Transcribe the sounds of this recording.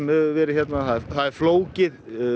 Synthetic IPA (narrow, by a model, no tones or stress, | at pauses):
mœːɣʏvɛːɾɪçjɛt̪naθaðɛθaðɛɾfloːwcɪð